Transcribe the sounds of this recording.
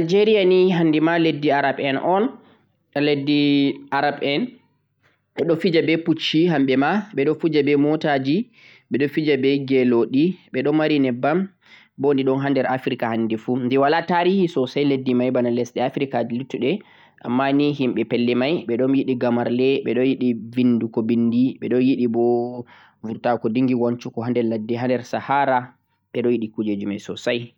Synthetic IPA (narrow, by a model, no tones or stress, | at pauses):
ald͡ʒeɾijaniɦandimaledːiaɾabɛnʔɔn | aledːiʔaɾabɛn | ɓɛɗɔfid͡ʒabɛput͡ʃːiɦamɓɛmaɓɛɗɔfud͡ʒabɛmɔtad͡ʒi | ɓɛɗɔfid͡ʒabɛɡɛloɗiɓɛɗɔnmaɾinɛbam | bondiɗɔnɦandɛɾafɾikahanːdɛfundiwalataɾihisɔsajledːimajbanalɛsɗɛafɾikadilitːuɗɛ | ʔa̰mːaniɦimɓɛpɛlːɛmajɓɛɗɔnjiɗiɡamaɾlɛɓɛɗɔnjiɗivindukɔbindiɓɛɗɔnjiɗibɔ | vuɾtakɔdiŋɡiwant͡ʃukɔɦandɛladːiɦandɛɾsahaɾa | ɓɛɗɔjiɗikud͡ʒed͡ʒumajsɔsaj